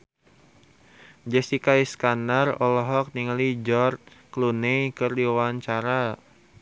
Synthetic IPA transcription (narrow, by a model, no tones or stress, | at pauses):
d͡ʒɛsikaiskanarɔlɔɦɔk̚niŋalid͡ʒɔr̚klunɛjkɨrdiwaɲt͡ʃaɾa